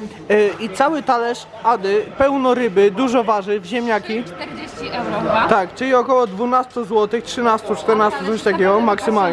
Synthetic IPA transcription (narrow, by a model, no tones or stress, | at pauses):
it̪sawɘt̪alɛʂ | ad̪ɘpɛwnɔɾɘbɘd̪uʐɔvaʐɘvʑemʲɲakʲi | t̪akt͡ʂɘlʲiɔkɔwɔd̪vunast̪uzwɔt̪ɘxtʂɘnast̪ut͡ʂt̪ɛɾnast̪ut̪sɔɕt̪akʲɛɡɔmaksɘmal